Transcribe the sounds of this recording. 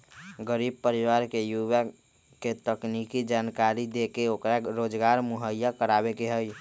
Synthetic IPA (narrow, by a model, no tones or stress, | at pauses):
ɡəɾib̚pəɾiʋaɾkejuʋa | ket̪əknikid͡ʒankaɾid̪ekeokɾaɾod͡ʒɡaɾmuɦəjːakəɾabekeɦəj